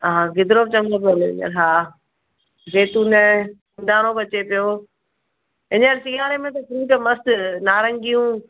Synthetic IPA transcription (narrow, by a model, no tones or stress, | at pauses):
ɦaːɡɪd̪ɾoːbt͡ɕɐ̃ŋɡopioleɪ̰ɲə̰ɾɦaː | d͡ʑeːt̪ũnɐ | d̪aːɽ̃obɐt͡ɕepijo | ɪ̃ɲəɾsijaːɾemẽt̪̬ɐkʰɾĩːʈɐmɐst̪naːɾɐ̃ŋɡijũː